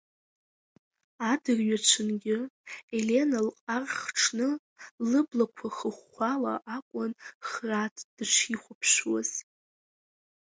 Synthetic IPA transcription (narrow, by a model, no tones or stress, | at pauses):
adɨrʲɥat͡ʃʷʰɨnɡʲɪe̞le̞nalqʼarχʈ͡ʂʰnɨ | lɨblakʷʰaχəχːʷala̰ʔakʷʼʊnχratʰd̥ɨt͡ʃʷʰiχʷʊpʰʃwaz̥